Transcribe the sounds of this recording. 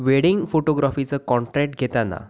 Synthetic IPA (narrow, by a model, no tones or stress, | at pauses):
ʋeɽiŋɡfoʈoɡɾafit͡səkɔɳʈɾɛk̚ʈ̚ɡʱet̪ana̰